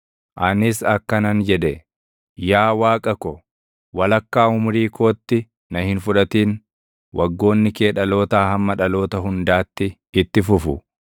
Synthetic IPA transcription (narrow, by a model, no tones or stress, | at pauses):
ʔɐnɪsɐkːɐnɐnd͡ʒɛᶑ̪ɛ | jaːwaːkʼɐkɔ | wɐlɐkːaːhʊmʊɾiːkʰo̞ːt̪ːɪ | nɐhɪnfʊᶑɐt̪iːn | wʔɐɡːo̞ːnːɪke̞ːᶑɐlo̞ːt̪aːhɐmːɐᶑɐlo̞ːt̪ɐɦʊnd̪aːt̪ːɪ | ɪt̪ːɪfʊfʊ